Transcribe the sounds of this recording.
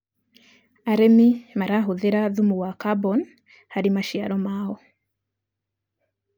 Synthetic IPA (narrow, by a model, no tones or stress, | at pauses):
aɾɛmimaɾaɦuðɛɾaðumuwakabɔn | haɾimaʃia̰ɾɔmaɔ